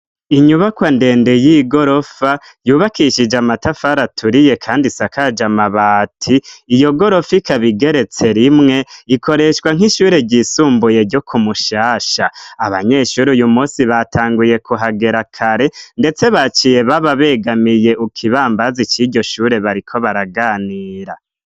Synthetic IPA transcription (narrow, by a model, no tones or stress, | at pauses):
iɲuβakwande̞ːnde̞jiɡo̞ɾo̞fa | juːβakiʃid͡ʒamatafaɾatʰuɾije̞kʰaːndisakad͡ʒamaβatʰiːjo̞ɡo̞ɾo̞fikʰaβiɡe̞ɾe̞t͡se̞ɾimŋe̞ikʰo̞ɾe̞ʃkwaŋ̥ɦiʃuːɾe̞ɟisuːmbuje̞ɾɟo̞kʰumuʃaːʃaaβa̰ɲe̞ːʃuɾujumuːsiβatʰaːŋɡuje̞kʰuɦaɡe̞ɾakʰaɾe̞nde̞t͡se̞βat͡ʃije̞βaβaβe̞ːɡamije̞ʔukʰiβaːmbazit͡ʃiɟo̞ʃuːɾe̞βaɾikʰo̞βaɾaɡaːniːɾa